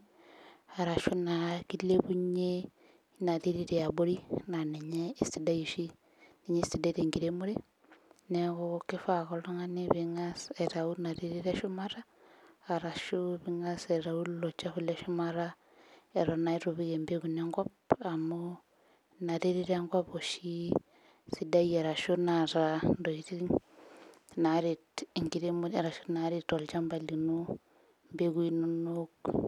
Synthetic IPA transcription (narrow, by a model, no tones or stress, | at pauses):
aɾaʃunakilebuɲe | natiɾiɾeaboɾinaneɲeːstidajiʃi | niɲestideɾeŋɡiɾemuɾe | nekɔkifaɣɔlɔŋaniβiŋaseɾaunaɾiɾiɾeʃumaɾaː | ɾaʃuβiŋaseɾaulot͡ʃafuleʃumaɾa | eɾɔnaiɾuβiɣembeɡunɛŋɡɔpamu | naɾiɾiɾeŋɡɔpɔʃi | sidajeɾaʃunaɾandɔiɾi | naɾitiŋɡiɾemueɾaʃunaɾitɔlt͡ʃambalinu | mbeɡuinunok